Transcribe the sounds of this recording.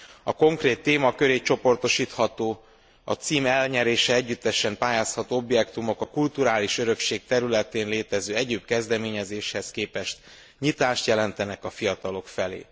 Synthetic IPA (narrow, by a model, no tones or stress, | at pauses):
ɒko̞ŋkreːt̪ːeːmɒkø̞ɾeːt͡ʃo̞po̞rt̪o̞ʃiːt̪hɒt̪oː | ɒ̰t̪siːmɛlɲɛɾeːʃɛɛɟːyt̪ːɛʃɛmpaːjaːshɒt̪oːo̞bjɛkt̪umo̞kɒkult̪uɾaːliʃøɾø̞kʃeːk̚t̪ɛɾylɛt̪eːnleːt̪ɛzøːɛɟeːbkɛzd̪ɛmeːɲɛzeːʃhɛskeːpɛʃt̪ | ɲit̪aːʃt̪jɛlɛnt̪ɛnɛkɒfijɒt̪ɒlo̞kfɛlḛː